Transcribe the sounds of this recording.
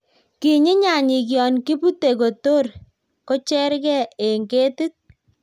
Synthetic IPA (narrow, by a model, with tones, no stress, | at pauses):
ki˨ɲɪ˦ɲa˨ɲi˨k̬jɔ˨nki˦pu˦te˨ko˨to˦r | ko˦t͡ʃɛ˦ɾkɛ˦e˨ŋɡe˦ti˦t̚